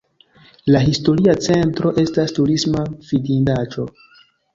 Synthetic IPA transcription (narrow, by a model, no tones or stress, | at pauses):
laɦisto̞ɾiat͡se̞ntɾo̞ʔe̞stastuɾismafidindat͡ʃo̞